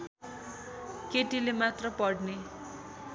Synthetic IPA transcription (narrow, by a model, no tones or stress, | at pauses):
keʈilemat̪rʌpʌɽne